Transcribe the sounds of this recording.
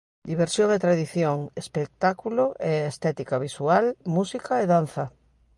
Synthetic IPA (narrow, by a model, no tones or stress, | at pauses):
d̪iβ̞eɾsjoŋet̪ɾaðiθjoŋespek̚t̪akuloʔeːst̪ɛt̪ikaβisualmusikʰaeðan̟θa